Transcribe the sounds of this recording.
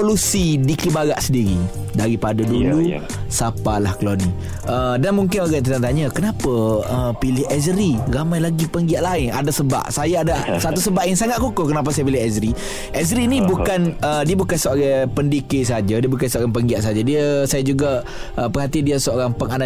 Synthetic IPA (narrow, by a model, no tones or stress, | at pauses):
olusidikibaɾaʔsədiɾi | daɾipadadulu | sapalahkəlani | ədanmuŋkɪnoɡaʔnt̪ət̪aŋt̪aɲakənapaəpilɪhɛzəɾiɾamãjlaɡipəŋɡiaʔlaɪna̰dasəba̰ʔsajaadasat̪usəbaʔjaŋsaŋat̪̚kukohkənap̬asajapilɪhɛzɾi | ʔɛzɾinĩbukanədiəbukansəoɾapəndikɪʔsəɦad͡ʒadiəbukansəoɾaŋpəŋɡiaʔsaɦad͡ʒadiəsajad͡ʒuɡa | ʔəpəɦat̪ɪdiəsəoɾaŋpəŋana